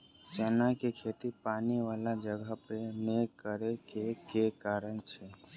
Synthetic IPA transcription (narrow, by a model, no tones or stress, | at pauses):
t͡ʃɛnakekʰet̪ipaːniʋaːlad͡ʒəɡʱapenekəɾekekekaːɾənt͡ʃʰe